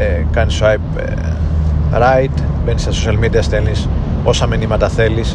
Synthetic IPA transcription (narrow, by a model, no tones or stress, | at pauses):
kɐnsajp | ɾajt̪ | benist̪ɐsosɐlmid̪iɐst̪elniso̞sɐminimɐt̪ɐθe̞lis